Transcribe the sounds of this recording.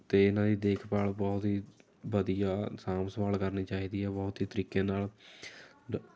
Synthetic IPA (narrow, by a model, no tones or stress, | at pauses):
t̪eːɪnãːd̪iːd̪eːkʰpaːlbɔːt̪ɦiː | ʋəd̪ijaːsaːmsʋaːlkəɾniːt͡ʃaːiːd̪iːɦɛːbɔːt̪ɦiːt̪əɾiːkeːnaːl